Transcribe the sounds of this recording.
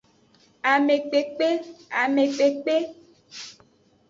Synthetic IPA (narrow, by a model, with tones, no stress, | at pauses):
a˨me˨k͡pe˨k͡pe˦a˨me˨k͡pe˨k͡pe˦